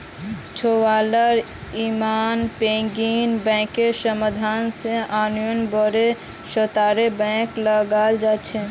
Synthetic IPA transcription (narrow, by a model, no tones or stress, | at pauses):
t͡ʃʰowaːləɾ | imaːnpẽːɡiːnbɛ̃ːkeʃəməd̪ʱaːnseaːnujʊnbəɾe | ʃət̪aːɾebɛ̃ːkləɡaːld͡ʒaːt͡ʃʰe